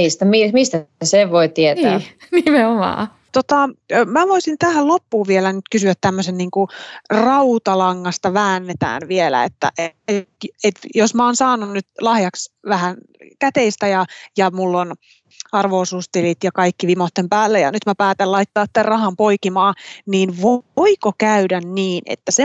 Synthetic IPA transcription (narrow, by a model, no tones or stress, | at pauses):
ist̪æmimist̪æseʋʋoit̪iet̪ːnimeomɑ̰ː | t̪ot̪ɑmæʋoisint̪æhællopːuːʋielænyt̪kysyæt̪tæmːøsenniːŋkurɑut̪ɑlɑŋːɑst̪ɑʋæːnːet̪æ̰ːnʋielæ̰ḛt̪ːæ̰ʔeeet̪josmæoːnsɑːnunnyt̪lɑhjɑksʋæhænkæt̪eist̪æjɑjɑmulːon | ɑrʋoːsuːst̪ilit̪jɑkɑikːiʋimot̪ːempæːlːejɑ̰nyt̪mæpæːt̪ælɑit̪ːɑːiærrɑhɑmpoikimɑːniːnʋooikokæydænniːnḛt̪ːæse